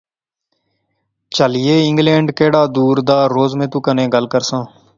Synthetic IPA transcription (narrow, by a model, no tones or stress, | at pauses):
t͡ʃəlɪeːɪ̃ŋɡlẽːɳɖkeːɽaːd̪uːɾd̪aːɾoːzmẽːt̪ũːkənẽːɡəlkəɾsãː